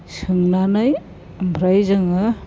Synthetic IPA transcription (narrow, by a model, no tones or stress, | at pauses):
sɯŋnanaj | mbʱɾajzaŋɯ